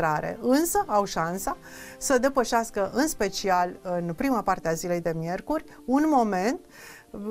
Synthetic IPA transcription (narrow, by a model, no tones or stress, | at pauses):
ɾaɾe̞̰ɨnsəʔawʃansa | səd̪e̞pəʃaskəʔɨnspe̞t͡ʃialɨnpɾimapart̪eazile̞jd̪e̞mje̞rkurʲ | unmo̞me̞nt̪